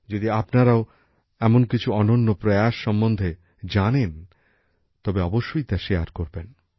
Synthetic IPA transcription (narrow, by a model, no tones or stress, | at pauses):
d͡ʑod̪iapnaɾao | ɛmonkit͡ɕʰuɔnonːopɾojaʃːɔmːond̪ʱe | d͡ʑanen | t̪ɔbeɔboʃːojt̪aʃeaɾkoɾben